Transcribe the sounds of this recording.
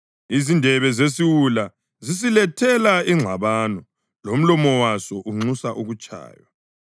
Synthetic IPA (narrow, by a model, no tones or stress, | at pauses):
izindʱɛβɛzesiwula | zisilɛtʰɛlaiŋ͡ǁʱaβaːnɔ | lom̩lɔmɔwasɔʔuŋ͡ǀusaʔuɣut͡ʃʼa̰ːjwa